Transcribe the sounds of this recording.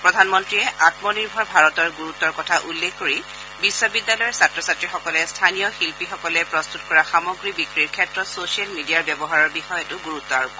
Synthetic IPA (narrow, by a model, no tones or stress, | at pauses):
pɹɔdʱanmɔntɹiɛʔatmɔniɹbʱɔɹbʱaɹɔtɔɹɡuɹut̪ːɔɹkɔtʰaʔulːekʰkoɹi | bisːɔbidːalɔjɔɹsatɹɔsatɹixɔkɔlɛstʰanijɔxilpixɔkɔlɛpɹɔstutkɔɹaxamɔɡɹibikɹiɹkʰɛtɹɔsosialmidiaɹbjɛbɔɦaɹɔɹbixɔjetʊɡuɹut̪ːɔaɹubɔ